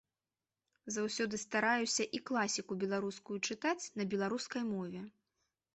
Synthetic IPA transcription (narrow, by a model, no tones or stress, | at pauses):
zawsʲɔd̪ɨst̪aɾajusʲɐʔiklˠasʲikubʲɛlˠaɾuskujut͡ʂɨt̪at͡sʲn̪ɐbʲɛlˠaɾuskɐjmɔvʲɛ